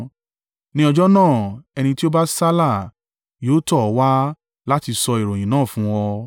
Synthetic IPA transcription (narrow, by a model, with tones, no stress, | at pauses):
nĩ˦ɔ˧d͡ʒɔ˦nãː˦˨ɛ˧nĩ˧ti˦o˦ba˦sa˦la˦˨ | joː˨˦tɔ˦˨˦wa˦ | la˦ti˧sɔ˧i˨ɾo˨j̃ĩ˨nãː˦˨fũ˦wɔ˧